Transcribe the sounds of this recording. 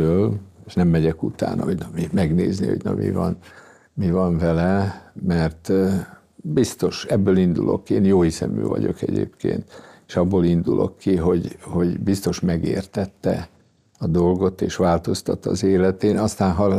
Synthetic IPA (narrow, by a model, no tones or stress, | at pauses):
øːlʃnɛmːɛɟɛkut̪a̰ːnɒhoɟnɒmimɛɡneːznḭho̞̰ɟnɒ̰mḭvɒ̰n | mivɒɱvɛlɛmɛrt̪ | bist̪o̞ʃɛbːøːlind̪ulʔo̞kːeːnjoːhisɛ̰my̰ːvɒ̰ɟo̞̰kɛɟḛːpkḛːnt̪eʃɒbːoːlind̪ulʔo̞kʰːiɦo̞ɟho̞ɟbist̪o̞ʃmɛɡeːrt̪ɛt̪ːɛ | ɒd̪o̞lɡo̞t̪eːʃʋaːlt̪o̞st̪ɒt̪ːɒzeːlɛt̪eːnɒst̪aːnɦɒ